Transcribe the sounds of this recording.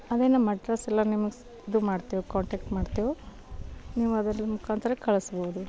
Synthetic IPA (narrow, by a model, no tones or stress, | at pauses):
ɐd̪enɐmːɐʈɾɐsɛlːɐnimɐɡ | d̪umaːɖt̪iʋokaːɳʈeːk̚ʈmaːɖt̪iʋo | niːʋuɐd̪ɐɾlimukʰaːnt̪ɾɐkɐɭɐsboːud̪u